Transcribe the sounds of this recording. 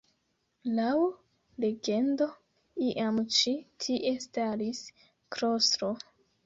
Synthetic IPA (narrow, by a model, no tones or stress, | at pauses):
law | le̞ɡe̞ndo̞ | iʔamt͡ʃitʰiʔe̞staɾis | kɾostɾo